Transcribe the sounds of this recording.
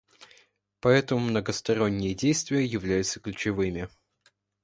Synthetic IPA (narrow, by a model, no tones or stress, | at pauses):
pɐɛt̪əmʊmnəɡəst̪ɐɾo̞nʲːɪjədʲejst̪vʲɪjəjɪvlʲæjʊt̪səklʲʉt͡ɕɪvɨmʲɪ